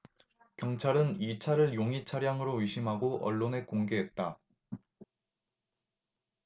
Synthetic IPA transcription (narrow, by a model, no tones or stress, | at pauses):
kjʌŋt͡ɕʰaɾɯnit͡ɕʰaɾɯɭjoŋit͡ɕʰaɾjaŋɯɾoɥiɕʰimɦaɡoʔʌ̰ɭːone̞koŋɡe̞ɦe̞t̚t͈a